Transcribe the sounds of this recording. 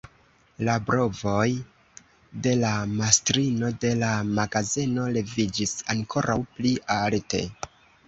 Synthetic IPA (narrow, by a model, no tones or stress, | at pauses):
labɾo̞vo̞j | de̞lamastɾino̞de̞lamaɡaze̞no̞le̞vid͡ʒisaŋkʰo̞ɾʔawpliʔalte̞̰